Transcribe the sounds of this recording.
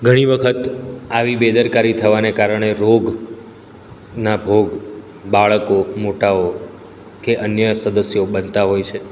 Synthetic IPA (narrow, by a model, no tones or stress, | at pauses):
ɡʱəɽ̃iʋəkʰət̪aʋibed̪əɾkaɾit̪ʰəʋanekaɾəɽ̃eɾoɡ | nabʱoɡ | baɭəkomoʈao | keʔənjəsəd̪əsjobənt̪aɦojt͡ʃʰe